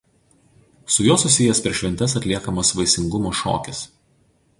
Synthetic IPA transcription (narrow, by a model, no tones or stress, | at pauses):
sʊjoːsʊsʲɪjɛspʲɛʃʲʋʲɛnʲt̪ʲɛs̬ɐt̪ʲlʲiɛkɐmosʋɐɪsʲɪŋɡʊmoːʃo̰ːkʲɪs